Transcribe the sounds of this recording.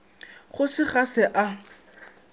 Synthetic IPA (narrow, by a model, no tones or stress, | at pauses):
χʊsɪχasɪʔa